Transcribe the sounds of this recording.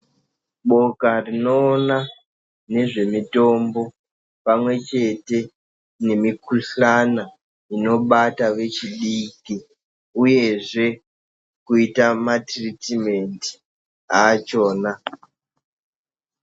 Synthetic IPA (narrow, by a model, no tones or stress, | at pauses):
ɓo̞karino̞ːna | ne̞ʐe̞mito̞mbo̞ | pamwe̞t͡ʃe̞te̞ | ne̞mikuɬana | ino̞ɓataʋe̞t͡ʃiɗiki | uje̞ʐe̞ | kuitamatritime̞nti̥ | aːt͡ʃo̞ːna